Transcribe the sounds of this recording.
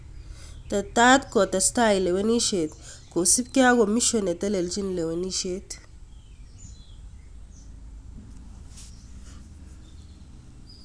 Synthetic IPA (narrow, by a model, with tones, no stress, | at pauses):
tɐ˨ta˦tkɔ˨ta˨sta˦jle˨we˦ni˦ʃe˨tko˨si˦pka˦ɡo˨mi˦ʃo˨nɛ˨tɐ˦le˨ld͡ʒi˦nle˨we˨ni˦ʃe˦t